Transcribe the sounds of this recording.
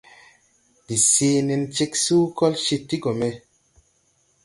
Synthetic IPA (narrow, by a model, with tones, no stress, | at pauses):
di˨siː˨˦ne˧nt͡ʃe˦ksu˦kɔ˦lʃi˧tːi˦ɡo˨me˨